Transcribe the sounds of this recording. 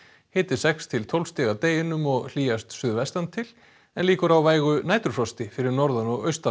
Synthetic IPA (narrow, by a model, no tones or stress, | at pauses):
hɪːt̪ɪ̥sɛkst̪ʰɪlt̪ʰɔwlst̪ɛːɣat̪eːjɪnʏmɔɣl̥iːjast̪sʏðvɛst̪ant̪ʰɪl | ɛnliːkʏɾawvaːjɣʏnaːjt̪ʏɾ̥flɔst̪ɪfɪɾɪɾnɔɾðanɔɣœ̰ɥst̪a